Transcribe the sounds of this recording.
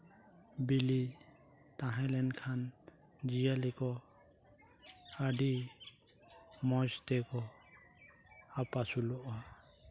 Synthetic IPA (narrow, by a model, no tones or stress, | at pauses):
bili | t̪ãɦalɛnkʰan | d͡ʒijalikɔ | adi | mɔst̪ɛkɔ | apasulɔʔa